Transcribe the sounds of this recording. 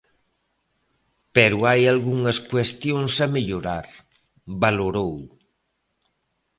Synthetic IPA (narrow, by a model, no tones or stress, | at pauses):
pɛɾuajalɣuŋəskwest̪jonsamiʎoɾaɾ | baloɾow